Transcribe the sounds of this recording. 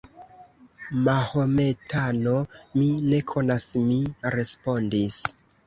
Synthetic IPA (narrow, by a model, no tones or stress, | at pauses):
mahome̞tʰano̞mine̞kʰo̞nasmiɾe̞spo̞ndis